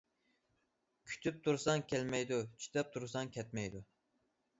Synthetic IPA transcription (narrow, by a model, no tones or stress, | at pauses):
kʲʰy̥t̪ʰyp̚t̪ʰuɾsɑŋkʲʰɛlmɛjd̪ut͡ʃʰy̥t̪ʰɛp̚t̪ʰuɾsɑŋkʲʰɛt̪mɛjd̪u